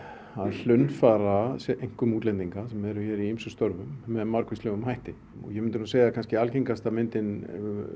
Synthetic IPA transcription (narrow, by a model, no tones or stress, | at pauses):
aðl̥ʏnfaːɾasʔejŋ̥kʏmuːt̪lɛnt̪iŋkasɛmɛɾʏçɛːɾiimsʏst̪ɔɾvʏmːɛðmaɾkʰvɪst̪lœɣʏmɦajht̪ɪ | ɔ̰jɛmɪnt̪ʏnuaseːjɣakʰanscɪalceŋkast̪amɪnt̪ɪn